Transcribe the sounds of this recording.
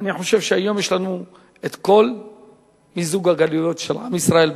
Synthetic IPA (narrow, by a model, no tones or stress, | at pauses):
niħo̞ʃe̞vʃeajo̞mjeʃlanu | et̪ko̞l | mizuɡaɡalujo̞t̪ʃelʕa̰misʁae̞l